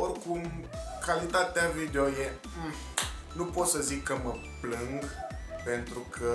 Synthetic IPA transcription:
orkumkalit̪at̪eavid̪eoje | nupot̪səzikːəmə | plɨŋɡpent̪ɾukʰə

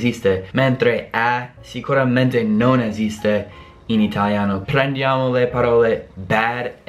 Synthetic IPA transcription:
zist̪emẽnt̪ɾeasikuɾamẽnt̪enonezist̪e | init̪ʰaljanopɾend̪jamolepaɾolebɛɾ

